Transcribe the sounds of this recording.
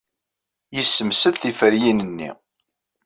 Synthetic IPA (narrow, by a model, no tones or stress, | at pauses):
jəsːəmsəðθifəɾjinənːḭ